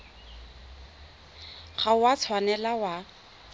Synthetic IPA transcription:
χaʊwat͡sʰwanɛlawa

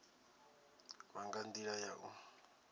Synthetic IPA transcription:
βaŋɡand̪iɺajaʔu

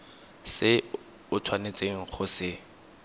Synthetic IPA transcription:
sɪ | ʊtʰwanet͡sʼeŋ̩χʊsɪ

